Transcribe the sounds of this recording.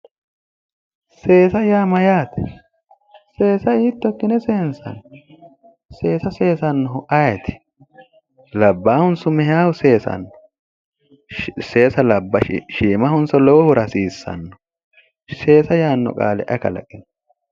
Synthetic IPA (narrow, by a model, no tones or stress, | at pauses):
se̞ːsɐjaːmɐjaːt̪ɛ̥ | se̞ːsɐiːt̪ːɔkːɪnɛseːnsɐ̰n | se̞ːsɐse̞ːsɐnːɔɦʊʔɐjɛt̪ʰɪ̥ | lɐbːaːhʊnsʊmɛhaːwʊse̞ːsɐ̰nːɔ̥ | se̞ːsɐlɐbːɐ̰ʃiːmɐhʊnsɔlɔwɔhʊɾɐsiːsːɐ̰nːɔ̥ | se̞ːsɐjaːnːɔ̰kʼa̰ːlɛ̰ʔɐkɐ̰lɐ̰kʼːɪn